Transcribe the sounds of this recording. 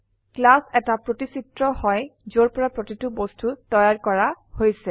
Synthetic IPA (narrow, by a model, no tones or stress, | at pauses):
klasɛtapɹotisitɹɔhɔjzoɹpɔɹapɹotitubostʰutɔjaɹkɔɹahojsɛ